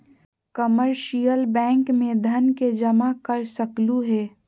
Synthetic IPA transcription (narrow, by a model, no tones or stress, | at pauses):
kəməɾʃijəlbɛ̃ːŋkmẽd̪ʱɐnked͡ʒɐmakɐɾsɐkluɦɛː